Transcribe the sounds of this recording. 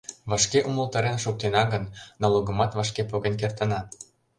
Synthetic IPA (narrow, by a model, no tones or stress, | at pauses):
βɑʃkeʔuməlˠt̪ɑɾenʃok̚t̪enɑɣənːɑloɣə̆mɑt̪vɑʃkepoɣenk̬ert̪ə̆nɑt̪